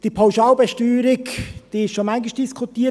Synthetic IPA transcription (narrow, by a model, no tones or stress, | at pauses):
d̥ipʰawʃɑːlbɛʃtyːɾɪkd̥iɪʃʃomaŋɡɪʃd̥iskʰutiː